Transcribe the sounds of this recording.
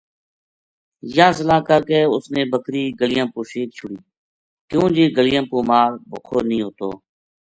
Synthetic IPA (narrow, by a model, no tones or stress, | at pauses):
jãːsəlaːkəɾkeːʊsnẽːbəkɾiːɡəlɪjãːpoːʃiːk̚t͡ʃʰʊɽiː | kjõːd͡ʒiːɡəlɪjãːpuːmaːɾbʊkʰoːnĩːɦoːt̪o̰ː